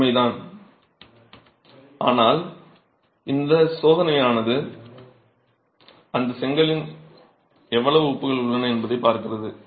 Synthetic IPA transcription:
mɐɪt̪aːn | a̰ːnaːl | ɪnd̪ɐsoːðɐnɐjaːnɐðɯ | ɐnd̪ɐsɛŋɡɐɭɪn | ɛʋːɐɭɐʋɯʊːpːɯɣɐɭʊɭːɐnɐɛnbɐðɐɪpːaːɾkɪrɐðɯ

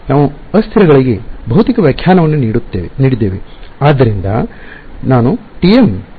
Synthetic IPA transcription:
naːʋuɐst̪ʰiɾɐɡɐɭiɡebʱɐɦut̪ikɐʋjɐkʰjaːnɐʋɐnːuniɽut̪ːeʋniːɽid̪ːeːʋeaːd̪ːɐɾind̪ɐ | naːnuʈijem

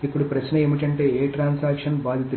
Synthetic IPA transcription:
ipːuɽupɾɐʃnɐemiʈ̬ɐɳʈe̞ːeːʈɾaːnsaːkʂɐnbaːd̪ʱit̪u

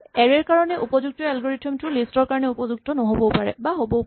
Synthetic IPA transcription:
ɛɹɛɹkaɹɔnɛʔupɔzuk̚tɔɛlɡɔɹitʰiɔmtʊlistɔɹkaɹɔnɛupɔzuɡ̚tɔnɔɦobɔpaɹɛ̰baɦobɔ

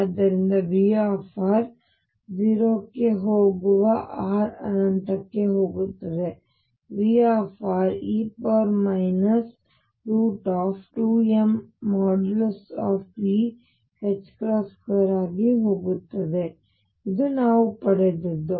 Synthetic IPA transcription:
d̪ːɐɾind̪ɐʋiːaːfʰaːɾ | d͡ʒiːɾoːkːeɦoːɡuʋɐʔaːɾɐ̰nɐnt̪ɐkːe̞ɦoːɡut̪ːɐd̪e̞ | ʋiːaːpʰaːɾiːpɐɾmɐjnɐs | ɾuːʈaːpʈuːemːaːɖlsaːfiː | het͡ʃːkɾaːsʈkɐɾaːɡiɦoːɡut̪ːɐd̪e̞ | id̪unaːʋupɐɽed̪ed̪ːu

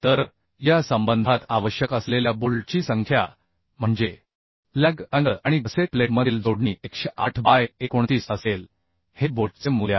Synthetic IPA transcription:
t̪əɾ | jasəmbənd̪ʱat̪aʋəɕjəkəsleljaboɭt͡ɕiːsəŋkʰja | m̤əɳd͡ze | læɡənəʔaɽ̃ibəsepleʈməd̪ʱiːld̪oɽɳiekɕeʔaʈʰbajekoɳt̪iːsəsel | heboʈt͡semulja̰

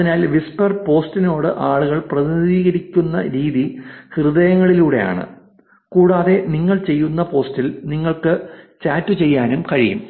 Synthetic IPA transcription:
ɐinaːlʋispɐrpo̞ːstino̞ːɽɨʔaːɭuɣɐɭprɐðiɐðiːɣɐɾikʲːunːɐ̰ɾiːðihrɨðɐjɐŋːɐɭiluːɽe̞̰ja̰ːɳɨ̰ | kuːɽaːðe̞niŋːɐɭt͡ɕe̞jːunːɐpo̞ːstilniŋːɐɭkɨt͡ɕaːtːut͡ɕe̞jːaːnumkɐɻijṵm

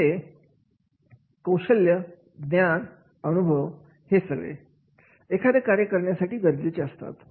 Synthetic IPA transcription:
e | kəwʂəljə | d̪njan | ənubʱəʋ | hesəɡə̰j | ekʰad̪əkaɾjəkəɾɳjasaʈiːɡəɾd͡ʑit͡ɕeəst̪a̰t̪

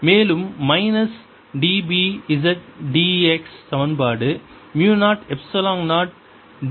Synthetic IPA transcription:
meːlɯmːɐɪnɐs | ɖiːbiɪzɐʈ̚ɖiːɛkst̪ɐʋɐnbaːɽɯ | mjuːnaːʈɛpsɐlãːŋnaːʈ̚ | ɖ

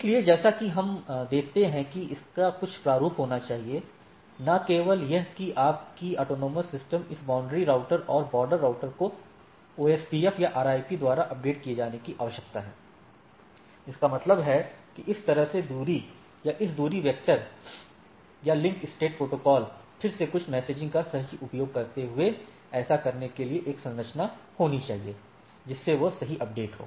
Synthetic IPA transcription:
ɪslied͡ʒɛːsakiɦɐmd̪eːkʰt̪eɦɛ̃kiɪskakʊt͡ʃʰpɾaːɾuːpɦoːnat͡ʃaːɦie | nakeːʋəljɐɦkiʔaːp̚kiɔːʈoːnoːməsːɪsʈəmɪsbãːʊ̃ɳɖɾiɾaːʊʈəɾɔːɾbɔːɾɖəɾːaːʊʈəɾko | oːeːspiɛfjaʔaːɾaːɪpid̪waːɾaʔɐp̚ɖeːʈ̚kijed͡ʒaːnekiʔaːʋəʃjək̚t̪aɦɛ̰̃ː | ɪskamɐt̪ləbɦɛkiʔɪst̪ɐɾəɦsed̪uːɾi | jaʔɪsd̪uːɾiʋjək̚ʈəɾ | jalɪ̃ŋkɪsʈeːʈ̚pɾoːʈoːkɔːlpʰɪɾsekʊt͡ʃʰmɛːseːd͡ʒɪ̃ŋkasɐɦiʔʊpjoːɡ̚kɐɾt̪eɦʊe | ɛːsakɐɾnekelieʔeːksɐ̃nɾət͡ʃnahoːnit͡ʃaːɦieː | d͡ʒɪsːeʋosɐɦiʔɐp̚ɖeːʈɦo̰ː

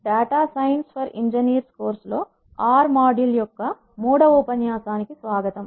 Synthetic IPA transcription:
ɖaːʈaːsɐjnspʰɐɾiɲd͡ʒɐniːɾskoːɾslo̞ː | aːɾmaːɖiljɔkːɐ | muːɽɐʋupɐnjaːsaːnikisʋaːɡɐt̪ɐm

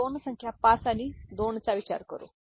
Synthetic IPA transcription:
oːnːɐsɐŋkʰjapaːsaːnid̪oːɳɐt͡saʋit͡ʃa̰ːɾɐkoɾṵ

